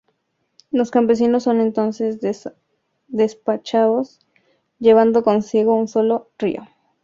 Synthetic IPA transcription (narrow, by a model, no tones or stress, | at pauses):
lo̞skampe̞s̬ino̞sːo̞nẽ̞nt̪o̞nse̞z | d̪e̞spat͡ʃaðo̞s | ʝe̞β̞and̪o̞ko̞nsiɣo̞unso̞lo̞rḭo̞